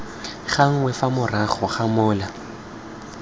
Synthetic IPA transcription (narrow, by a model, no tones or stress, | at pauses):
χaŋ̩ŋwɛfamʊraχɔχamʊːla